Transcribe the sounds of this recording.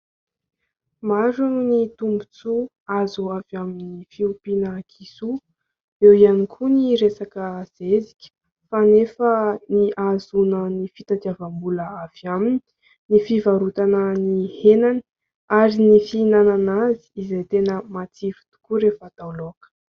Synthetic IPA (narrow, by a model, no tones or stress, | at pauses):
maɾannit̪umbut͡su | azuavjaminifiupinəkʰisu | ewianikʰuniɾesakəz̥ezi̥kʲə̥ | fanefəniʔazunənifit̪at̪iavambuləav̥jamini̥ | nifivaɾut̪anənihenani | aɾinifinananazi̥ːzejt̪enəmat͡sifi̥t̪u̥kuɾefat̪awlokə̥